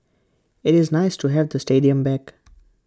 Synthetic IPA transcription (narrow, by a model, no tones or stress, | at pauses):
ɪɾɪznaɪsʈuɦɛʋd̪əsʈeːɖiə̃mbɛk